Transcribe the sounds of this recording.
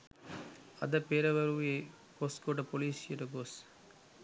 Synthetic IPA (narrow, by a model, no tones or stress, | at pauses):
ɐðɐpeːɾɐʋɐɾuje | koːskoːʈɐpoliːsɪɾɐɡoːs